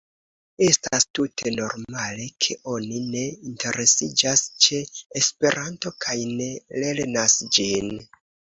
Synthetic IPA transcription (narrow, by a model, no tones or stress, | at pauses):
e̞staastutʰe̞no̞ɾmale̞kʰe̞ʔo̞nine̞intʰe̞ɾʔe̞sid͡ʒast͡ʃe̞ːspe̞ɾʔanto̞kʰajne̞le̞ɾnasd͡ʒin